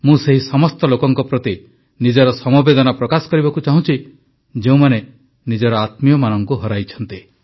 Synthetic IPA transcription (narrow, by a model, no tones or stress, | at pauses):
mũseɦisɔmɔst̪ɔlokɔŋkɔpɾɔt̪i | nid͡ʒɔɾɔsɔmɔbed̪ɔnapɾɔkasɔ̥kɔɾibɔkut͡ʃaɦũt͡ʃʰi | d͡ʒeũmane | nid͡ʒɔɾɔat̪mijɔmanɔŋkuɦɔɾajt͡ʃʰɔnt̪i